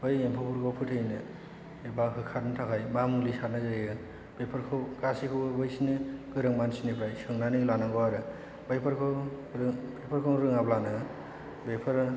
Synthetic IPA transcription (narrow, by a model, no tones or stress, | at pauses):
bɯjempʰɯpʰuɾɡɔwpʰɯtʰɯjnɯ | ebaɦɯkʰaɾnɯtʰakʰajbamulisaɾnɯzɯjɯ | bepʰaɾkʰɯɡasikʰɯbɯjsinɯɡɯɾɯŋmansinipɾajsɯŋnanilanaŋɡɔwaɾɯ | bajpʰaɾkʰɯɾɯbepʰɯɾkʰɯŋɾɯŋablanɯ | bepʰɯɾ